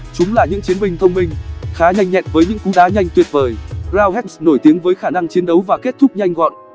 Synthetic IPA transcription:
t͡ɕʊ˨˦ŋ͡mlaː˨˩ɲɨ̰˧˥ŋt͡ɕi˨˦ənmï˧˩ŋ̟t̪ʰə˧wŋ͡mmï˧ŋ̟xaː˨˦ɲa˧jŋɲɛ̰˧˨nvəː˨˦jɲɨ̰˧˥ŋku˨˦ɗaː˨˦ɲa˧jŋ̟t̪wi˨˩ət̚vəː˨˩jzaː˧wɦɛ˦˥t̚sno˧˩jt̪i˨˦əŋvəː˨˦jxaː˧˩na˧ŋt͡ɕi˨˦ənɗə˨˦wvaː˨˩ke˦˥t̚t̪ʰʊ˦˥k͡p̚ɲa˧jŋ̟ɣɔ̰˧˨nʔ

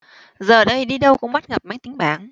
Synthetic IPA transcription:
zəː˨˩ɗə˧jɗi˧ɗə˧wkʊ̰˧˥ŋ͡mɓa˦˥t̚ŋə˨˩p̚ma˨˥˦ŋt̪ï˨˦ŋ̟ɓaː˨˦ŋ

